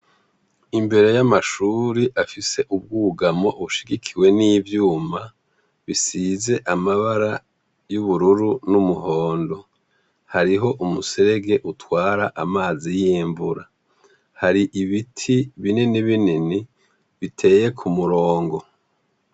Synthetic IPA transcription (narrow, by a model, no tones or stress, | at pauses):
imbe̞ɾe̞jamaʃuːɾiʔafise̞ʔub̚ɡuːɡamo̞βuʃiɡikʰiwe̞niːvjuːma | βisize̞ʔamaβaɾa | juβuɾuɾunumuho̞ːndo̞ | haɾiɦo̞ʔumuse̞ɾe̞ɡe̞ʔutwaːɾaʔamaːzijiːɱbuɾa | haɾiʔiβitʰiβineniβinini | βitʰe̞ːje̞kʰumuɾoːŋɡo̞